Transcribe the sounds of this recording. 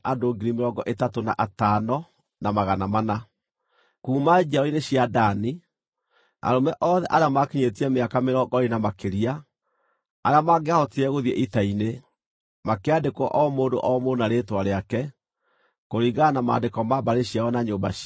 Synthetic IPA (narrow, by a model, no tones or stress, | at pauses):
adoɡiɾimeɾɔɡɔʔetatonaʔatanɔ | namaɣanamana | kuːmad͡ʒiaɔineɕjadani | a̰ɾomɛʔɔðɛʔaɾeamakiɲetiɛmeakameɾɔɡɔɾinamakeɾia | aɾeamaɡeahɔtiɛɣoðiɛʔitaine | makeadekɔʔɔmoːndo̰ʔɔmonaɾetwaɾeakɛ | koɾiɣanama̰ːndekɔmabaɾeɕiaɔnaɲoːmba̰ɕ